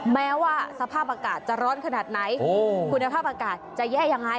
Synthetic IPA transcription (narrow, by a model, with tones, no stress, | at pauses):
mɛː˦˥waː˥˩sa˧pʰaː˥˩p̚ʔaː˧kaː˨˩t̪̚t͡ɕa˨˩ɾɔː˦˥nkʰa˧naː˨˩t̪̚na˩˦jkʰu˧nːa˧pʰaː˥˩p̚ʔaː˧kaː˨˩t̪t͡ɕa˨˩jɛː˥˩ja˧ŋːa˦˧˥j